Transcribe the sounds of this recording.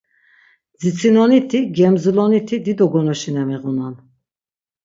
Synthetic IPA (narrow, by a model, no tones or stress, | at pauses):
d͡zit͡sʰinɔnit̪ʰiɡɛmzulɔnit̪ʰid̪id̪ɔɡɔnɔʃinɛmɛɣunan